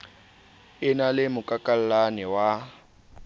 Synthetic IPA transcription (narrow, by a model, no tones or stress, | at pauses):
ɪnalɪmʊkʼakʼal̩lanɛwa